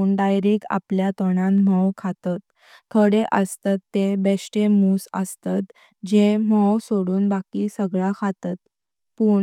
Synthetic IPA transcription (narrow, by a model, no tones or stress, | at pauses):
uɳɖajɾiːka̰pljat̪ɔɳãnm̤əwkʰat̪at̪̚ | t̪ʰəɽeʔəst̪at̪ːebesʈemuːsə̰st̪at̪ | d͡ʑem̤əwsoɽuːnbakisəɡɭakʰat̪at̪̚ | puːɳ